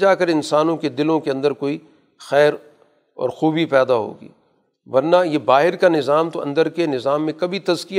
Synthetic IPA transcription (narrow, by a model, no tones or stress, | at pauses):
d͡ʒaːkɐɾɪnsaːnõked̪ɪlõkeɐ̃nd̪əɾkoːi | xɛːɾ | ɔ̰ːɾxuːbʱipɛːd̪aɦo̰ːɡḭː | ʋɐɾnajebaːɦɪɾkanɪzaːmt̪oɐ̰̃nd̪əɾkenɪzaːmːẽkɐbʱit̪ɐzkij